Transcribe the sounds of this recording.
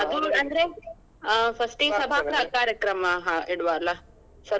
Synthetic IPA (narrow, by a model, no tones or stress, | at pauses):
ɐd̪uɐnd̪ɾe | pʰɐsʈisɐbʱaːɐkaːɾjɐkɾɐmɐɦiɽʋaːlɐ | sɐ